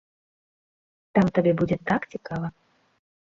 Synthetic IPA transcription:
t̪amt̪abʲɛbud͡zʲɛt̪akt͡sʲikavɐ

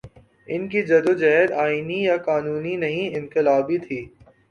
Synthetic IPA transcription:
ɪnkid͡ʒɐd̪od͡ʒɛɦɛɾaːinijaqaːnuːninɐɦĩɪ̃nqɪlaːbit̪ʰiː

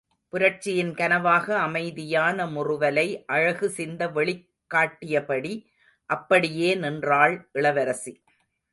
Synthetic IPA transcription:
pʊɾɐʈt͡ʃːɪjɪnkɐnɐʋaːɣɐːmɐɪðɪjaːnɐmʊrʊʋɐlɐɪʔɐɻɐɣɯsɪnd̪ɐʋɛɭɪkːaːʈːɪjɐpɐɽi | ʔɐpːɐɽɪjeːnɪndraːɭʔɪɭɐʋɐɾɐsi

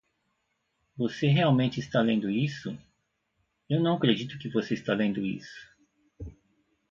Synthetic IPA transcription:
voseɦeawmẽnt͡ʃɪist̪alẽnd̪ʊisʊ | ewnɐ̃w̃akɾed͡ʒit̪ʊkɪvoseist̪alẽnd̪ʊḭsʊ̥

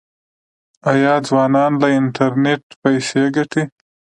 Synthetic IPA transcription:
ajɑd͡zwɑːnɑnlaɪnʈaɾneʈ̚pajseɡaʈi

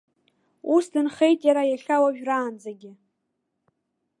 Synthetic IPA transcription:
usdɨnχe̞jtʼjaɾajaʃawaʒᶣraːnd͡zaɡʲɪ

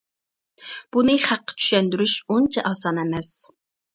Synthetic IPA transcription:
b̥unɨχæqːɑ̥t͡ʃʰy̥ʃɛnd̪yɾyʃont͡ʃʰɛʔɑsɑnɛmɛs

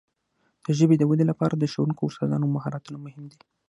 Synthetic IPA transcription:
d̪̥əʒəbed̪əwəd̪elapɑɾad̪əʃəwunkoʊɾsɑzɑ̰nomaɦɑɾat̪unamʊhɪmd̪i

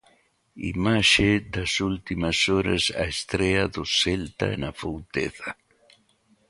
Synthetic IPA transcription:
ḭmaʃed̪ɐsult̪imasoɾɐ̰sa̰est̪ɾeaðʊselt̪a̰enafowt̪eθa

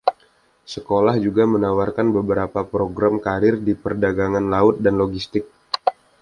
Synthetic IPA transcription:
səkolahd͡ʒuɡamənawarkanbəbəɾapapɾoɡɾamkaɾɪrdipərdaɡaŋanlaʊt̪̚danloɡist̪ɪk̚

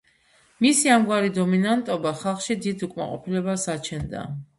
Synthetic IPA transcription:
misiamɡwaɾid̪ɔminant̪ʼɔbaχalˠχʃid̪id̪ukʼma̰qʼɔpʰilɛbasat͡ʃʰɛnd̪a̰

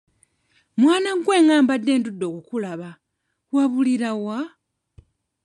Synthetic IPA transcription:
mwaːnaɡwe̞ːŋaːmbadːe̞ːndudːo̞kukulaβa | waβuliɾawa

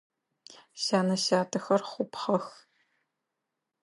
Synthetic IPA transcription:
ɕaːnɐɕaːtʰɐxɐrχʷʊpχɐx

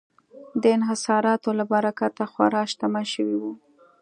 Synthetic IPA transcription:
d̪əɪnɦɪsɑɾɑt̪olabaɾakat̪axwa̰ɾɑʃt̪amaʃəwiwu

